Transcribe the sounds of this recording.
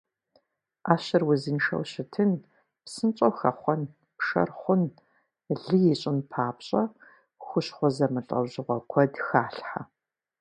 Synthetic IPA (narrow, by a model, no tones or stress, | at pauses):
ʔaːɕɪrwʊzɨnʃɐ̰wɕɪtʰɨn | psɨnt͡ʃʼowxɐχʷɔn | pʂɐ̰rχʷʊn | ɮɨjɛɕʼɪnpʰaːpɕʼɐ | xʷʊɕχʷɔzɐmɨɬʼɐ̰wʑɪʁʷɔkʷʰɔdxaːɬħa